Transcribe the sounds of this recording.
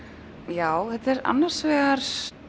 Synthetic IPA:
jaːwθɛt̪ɛɾa̰nːaɾ̥svɛɣaɾ̥s

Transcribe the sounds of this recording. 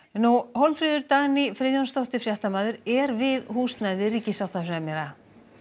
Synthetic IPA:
nuhowlmfɾiːðʏɾt̪aɣnifɾɪːðjɔnst̪owht̪ɪfɾjaht̪amaːðʏɾɛɾvɪðhuːst̪najðɪriːcɪsaw̥t̪afɾamɛɾa

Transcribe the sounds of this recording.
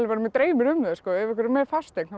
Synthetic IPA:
lɪpaɾɪmɛt̪ɾeːjmɪɾʏmðɛskɔːɛvɛhkvɪɾɪmɛːɾfast̪ekna

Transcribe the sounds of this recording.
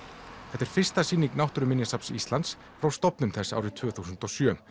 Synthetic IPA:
θɛht̪ɛɾ̥fɪr̥st̪asiːniknawht̪ʏɾʏmɪnjasapsḭst̪lant̪s | fɾawst̪ɔpnʏmθɛsːaa̰ːwɾɪt̪ʰvœːθusʏnt̪ɔsjœː

